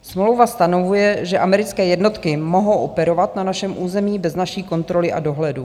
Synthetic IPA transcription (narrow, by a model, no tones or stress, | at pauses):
smowvast̪ano̞vujɛʒɛʔamɛɾɪt͡skɛːjɛdno̞t̪kɪmo̞ɦo̞wʔopɛɾo̞vat̪nanaʃɛmʔuːzɛmiːbɛznaʃiːko̞nt̪ɾo̞lɪʔa̰do̞ɦlɛdu